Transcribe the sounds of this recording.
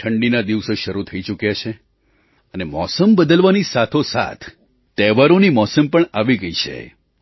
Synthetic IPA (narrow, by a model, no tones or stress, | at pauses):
ʈʰəɳɖinad̪iʋsoʃəɾut̪ʰəit͡ʃukjat͡ʃʰe | ənemɔsəmbəd̪əlʋanisat̪ʰosa̰t̪ʰ | t̪ɛʋaɾonimɔsəmpəɳaʋiɡəit͡ʃʰḛ